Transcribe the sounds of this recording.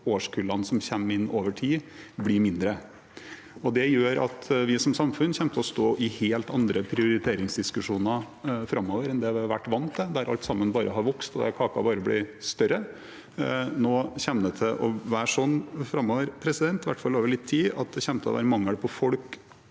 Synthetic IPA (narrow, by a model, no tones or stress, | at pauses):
oːʂkʰʉːlɑnsɔmçɛmːɪnːoːʋəʈʰiːblɪɾmɪnd̪ɾə | ɔd̪ɛjøːɾɑ̰t̪ʋɪsɔmsɑmfʉnçɛmt̪ʰəɔst̪oːʔɪheːlt̪ɑnd̪ɾəpʰɾɪʊɾɪt̪ʰeːɾɪŋsd̪ɪskʉʂuːnɑ | fɾɑmːoːʋəɾɛnd̪ɛʋɪʋæ̰ʈːʋɑnt̪d̪ɛd̪æɾʔɑ̰lt̪sɑmːənbɑːɾʔəɦɑɾʋɔkst̪ɔd̪æ̰ɾkʰɑːkɑ̰bɑːɾəblɪ̰st̪œɾə | noːçɛnnət̪ʰɛʔɔʋæːʂɔnːfɾɑmːoːʋəɾpʰɾɛsɪd̪ɛnt̪ɪʋæ̰ʈːfɑlːoːʋəɭɪt̪ʰːiːɑt̪̚d̪ɛçɛmt̪əɔ̰ʋæ̰ːɾəmɑŋːəɽpʰɔfɔlk